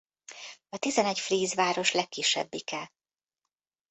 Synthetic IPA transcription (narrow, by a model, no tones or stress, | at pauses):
ɒt̪izɛnɛcfriːzvaːɾo̞ʃlɛkːiʃːɛ̰bːikɛl